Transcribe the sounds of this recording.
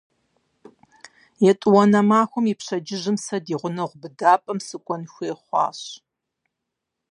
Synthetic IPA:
jɛtʼwɐnɐmaːxʷɔmipɕɐd͡ʒɪʑɪmsɐdiːʁʷʊnɐʁʷʊbɨdaːpʼɐmsɨkʷʼɔnxʷeːχʷɑ̰ːɕ

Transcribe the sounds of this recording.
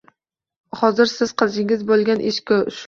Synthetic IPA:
hɒzɪɾsɪz̥qʰɨzɪŋɪzbolˠɡʲanʔeʃkʲɒʃ

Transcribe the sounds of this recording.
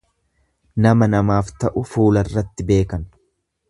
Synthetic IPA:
nɐmɐnɐmaːft̪ɐʔʊfuːlɐrːɐt̪ːɪbe̞ːkɐn

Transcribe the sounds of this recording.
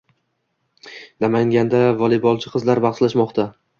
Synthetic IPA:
namaŋɡʲand̪avɒlˠɪbɒlˠt͡ʃʰɪqʰɨzlaɾbɑχʃlaʃmɒqt̪ʰa

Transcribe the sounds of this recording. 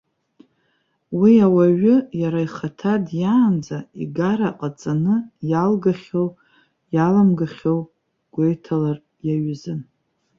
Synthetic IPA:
wiawaɥʊjaɾajχatʰadjaːnd͡zaḭɡaɾaqʼat͡sʼanɨjalɡaχʲow | jalamɡaχʲow | ɡ̥ʷejtʰalar | jaɥzɨn

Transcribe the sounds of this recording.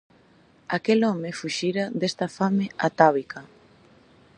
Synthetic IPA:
akelɔmɪfuʃiɾad̪est̪ɐfameat̪aβika

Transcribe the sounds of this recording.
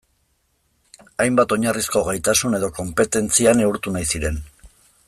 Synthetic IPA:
ajmbat̪o̞ɲarisko̞ɣajt̪asune̞ðo̞ko̞mpe̞t̪e̞nt͡siane̞uɾt̪unajsiɾe̞n

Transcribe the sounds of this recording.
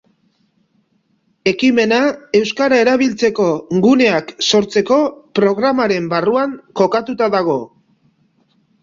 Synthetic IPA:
e̞kime̞nae̞wskaɾae̞ɾaβ̞ilt͡se̞ko̞ɡune̞akso̞ɾt͡se̞ko̞pɾo̞ɣɾamaɾe̞mbaruaŋko̞kat̪ut̪aðaɣ̞o̞

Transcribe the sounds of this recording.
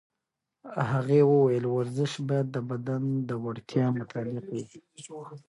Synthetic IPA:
haɣewəwajəlwaɾzɪʃbajad̪ːəbad̪and̪əwaɽt̪jɑmʊt̪ɑlɪqwi

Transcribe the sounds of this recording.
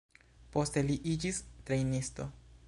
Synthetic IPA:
po̞ste̞liʔid͡ʒistɾejnisto̞̰

